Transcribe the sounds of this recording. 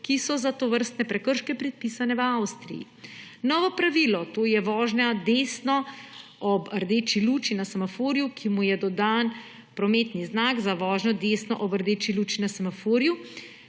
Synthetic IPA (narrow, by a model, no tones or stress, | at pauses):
kisɔzat̪oʋəɾst̪nɛpɾɛkəɾʃkɛpɾɛt̪̚pisanɛʋəawst̪ɾḭjḭ | nɔːʋɔpɾaʋiːlɔt̪oːjɛʋɔːʒɲad̪esnɔɔbəɾd̪et͡ʃiluːt͡ʃinasamafoːɾjukʰimujɛd̪ɔd̪aːn | pɾɔmet̪niznaɡzaʋɔːʒnɔd̪eːsnɔ̰ʔɔbəɾd̪eːt͡ʃiluːt͡ʃinasamafoːɾju